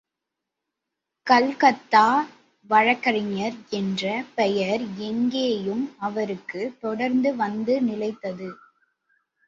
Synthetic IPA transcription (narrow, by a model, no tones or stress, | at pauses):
kɐlkɐt̪ːaː | ʋɐɻɐkːɐɾɪɲɐɾɛndrɐpɛjɐɾɛŋɡeːjɯmɐʋɐɾɯkːɯt̪ɔɽɐɾnd̪ɯʋɐnd̪ɯnɪlɐɪt̪ːɐðɯ